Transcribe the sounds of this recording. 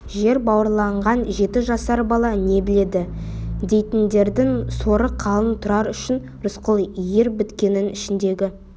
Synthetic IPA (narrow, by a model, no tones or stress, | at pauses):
ʒe̞ɾbɑwəɾlˠɑɴʁɑnʒe̞t̪ɪʒɑsɑɾbɑlˠɑne̞bɪle̞d̪ɪd̪e̞jt̪ɪnd̪e̞ɾd̪ɪŋso̞ɾəqʰɑlˠənt̪ʰʊɾɑɾʏʃɪn | ɾʊsqəlˠjeɾbɪt̪kʲe̞nɪnɪʃɪnd̪e̞ɡʲɪ